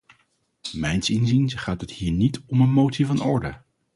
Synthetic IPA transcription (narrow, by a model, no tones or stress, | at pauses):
mɛjnsɪnzinsχaːtəthiːɹnitʰɔmənmowtsivɑnɔɹdə